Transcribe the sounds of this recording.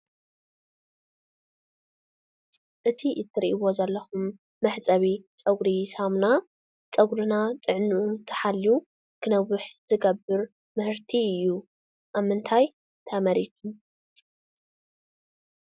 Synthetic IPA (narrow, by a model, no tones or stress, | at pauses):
ʔɨt̪ʰiʔɨt̪ʰːɨɾiʔiβo̞zɐlːɐxumː | ɐħt͡sʼɐβit͡sʼɐɡɾisamna | t͡sʼɐɡʷɾɨnat͡sʼɨʕnɨʔut̪ʰɐ̥ħalːu | kʰɨnɐwɨħz̥ɨɡɐbːɨɾ | mɨhɨɾt̪ʰiɨjːu | ʔaβmːɨnt̪ʰaj | t̪ʰɐmɐɾit̪ʰu